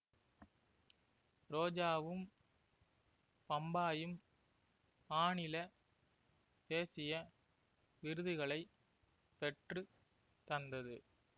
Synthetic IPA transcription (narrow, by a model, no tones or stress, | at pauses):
ɾoːd͡ʒaːʋɯm | pɐmbaːjɯm | paːɳɪlɐ | peːsɪjɐ | ʋɪɾɯðɯɣɐɭɐɪ | pɛʈrɯ | t̪ɐnd̪ɐðɯ